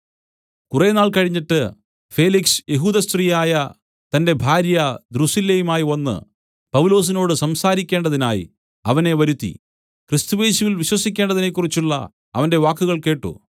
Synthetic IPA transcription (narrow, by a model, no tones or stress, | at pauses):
kurenaːɭkɐɻiɲːiʈːɨ | fe̞ːliksɨ̥je̞ɦuːd̪ɐst̪rijaːjɐ | t̪ɐnde̞bʱaːɾjɐd̪rusilːɐjumaːjionːɨ̰ | pɐʋulo̞ːs̬ino̞ːɽɨsɐmsaːɾikʲːe̞ːɳɖɐðinaːjḭ | ɐʋɐne̞ʋɐɾut̪ːḭ | krist̪uje̞ːɕuʋilʋiɕwɐsikʲːe̞ːɳɖɐðine̞k̬ːurit͡ɕːuɭːɐ̰ | ɐʋɐnde̞ʋaːkːuɣɐɭke̞ːʈːṵ